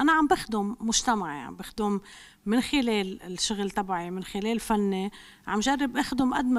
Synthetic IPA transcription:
ʔanaʕambɪxd̪ʊmːʊʒt̪amaʕjʕʕa̰mbɪxd̪ʊmː | ɪnxɪleːlɪʃːʊɣlt̪ˤɑbaʕimɪnxɪleːlfanːe | ʕa̰mʒarːɪbʔaːxd̪ʊmʔa̰d̪ma

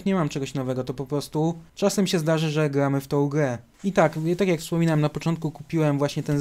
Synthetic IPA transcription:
kɲɛmamt͡ʂɛɡɔɕnɔvɛɡɔt̪ɔpɔpɾɔst̪ut͡ʂasɛmɕɛzd̪aʐɘʐɛɡɾamɘft̪ɔ̃w̃ɡɾɛ | it̪akt̪akʲjakfspɔmʲinawɛmnapɔt͡ʂɔnt̪̚kukupʲiwɛmvwaɕɲɛt̪ɛn

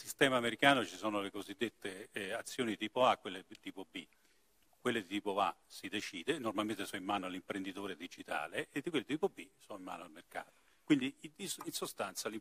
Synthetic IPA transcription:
sist̪ɛːmaːmeɾikaːnot͡ʃisɔːnolekozid̪ːet̪ʰːeat̪sːjoːnit̪iːpoakːwelːet̪iːpobi | kwelːet̪iːpoasid̪et͡ʃiːd̪enormalment̪esɔimːaːnoalːimpɾend̪it̪oːɾed̪id͡ʒit̪a̰ːleʔed̪ikwelːet̪iːpobisɔimːa̰ːnoalmerka̰ːt̪o̥ | kwind̪iinsost̪ant̪sali

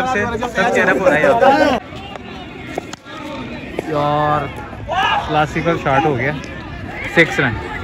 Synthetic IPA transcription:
ɐbsesɐbt͡ʃeɾɐbʊɾaːjɦoːt̪a | ɔːɾ | klaːsɪkəlʃaːɾʈɦoːɡɐjaː | sɪksɾã

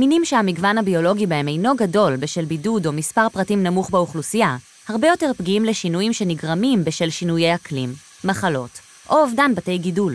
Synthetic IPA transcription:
minimʃehamiɡvanhabio̞lo̞ɡibae̞me̞jno̞ɡado̞lbeʃelbidudo̞mispaʁpʁatimnamuχbeuχlusija | haʁbejo̞te̞ʁpɡiimleʃinujimʃe̞niɡʁamimbeʃelʃinujejhaklḭmː | aχalo̞̰t | ʔo̞ːvdanbate̞jɡidul

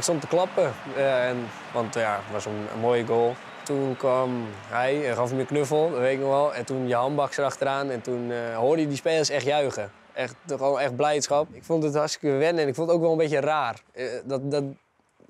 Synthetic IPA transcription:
ɪkstontəklɑpəɛn | ʋɑnttjaʋɔsənə̰moːjəɡoːlˠ | tunkʋɔm | hɛjɛxɔfməknøfəl̩ˠdɔtʋetɪk̚nɔxɔlˠɛntunjəhɔmbɑksərɑxtəɾaːnɛntunɦoːrdəjədispeːlˠəsɛxtjœɥɣə | ʔɛxtxonɛxt̚blɛjtsxɑp̚ɪkfondəthastɪ̥kəʋɪnɛnɪkfõndətoːkʋɛlˠənbetəraːrdɔtdɔt

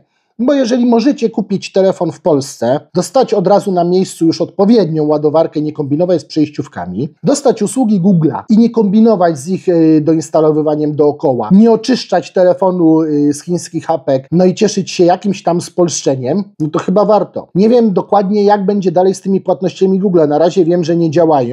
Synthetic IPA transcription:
bɔjɛʐɛlʲimɔʐɛt͡ɕɛkupʲjit͡ɕt̪ɛlɛfɔnfpɔlst̪sɛd̪ɔst̪at͡ɕɔd̪ɾazunamʲjejst̪sujuʂɔt̪̚pɔvʲjɛd̪ɲɔ̃w̃wad̪ɔvaɾkɛɲɛkɔmbʲinɔvat͡ɕspʂɛjɕt͡ɕufka̰mʲid̪ɔst̪at͡ɕuswuɡʲiɡuɡla̰iɲɛkɔmbʲinɔvad͡ʑzixd̪ɔinst̪alɔvɘvaɲɛmd̪ɔːkɔwa̰ɲɛɔt͡ʂɘʂt͡ʂat͡ɕt̪ɛlɛfɔnusxʲiɲ̃skʲixapɛknɔit͡ɕɛʂɘt͡ɕɕɛjakʲimɕt̪amspɔlʂt͡ʂɛɲɛmnɔt̪ɔxɘbavaɾt̪ɔ̰ɲɛvʲjɛmd̪ɔkwad̪ɲɛjaɡ̚bɛɲd͡ʑɛd̪alɛjst̪ɘmʲipwat̪nɔɕt͡ɕamʲiɡuɡlanaɾaʑɛvʲjɛmʐɛɲɛd͡ʑawajɔ̃

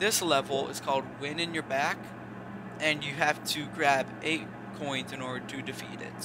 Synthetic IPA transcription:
ðɪslɛvl̩ˠɪ̰z̥kʰɔlˠd̚wɪ̃nɨ̃njə˞bæk | ʔɨ̃njɨɦæftʰɨɡɹæbʔeɪt̚ | kʰɔ̃ɪ̃nzɨ̃nɔɹɾə˞ɾʰɨdɨfḭɾɪ̰t̚

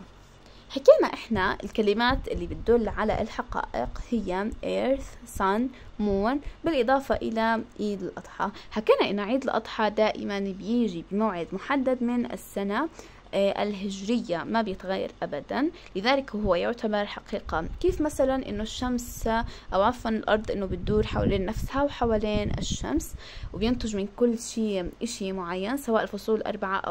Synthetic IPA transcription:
ħakiːmaʔɪħnaʔɪ̰lkalɪmaːt̪ʔɪlːibɪt̪̚d̪ʊlːʕala̰ʔɪlħaqɑ̰ːʔɪ̰qhɪjːaʔeːɾθsanmuːnbɪlʔɨd̪ˤɑːfɑʔɪlaʕiːd̪ɪlʔɑ̰d̪ˤħɑhakaːnaʔɪnːaʕiːd̪ɪlʔɑd̪ˤħɑd̪aːʔɪ̰manbjɪːʒibɪmaːʕɪd̪mʊħad̪ːad̪mɪnʔɪ̰sːana | ʔɪ̰lɦɪʒɾɪjːamabjɪt̪ɣaːjːɑ̰ɾˤʔabad̪anlɪðaːlɪkɦʊwːajʊʕt̪abɑɾˤħaqiːqakeːfmasalanʔɪ̰nːoʃːamsʔawʕɑfːanɪlʔɑɾˤd̪ˤʔɪnːobɪt̪̚d̪uːɾħawa̰leːnːafshawħawaːleːnɪ̰ʃːa̰ms | wbjɪnt̪ˤʊʒmɪnkʊlːʃiːʔɪʃimʊʕajːansawaːʔɪlfʊsˤuːlʔɑ̰ɾˤbaʕa̰ʔa̰

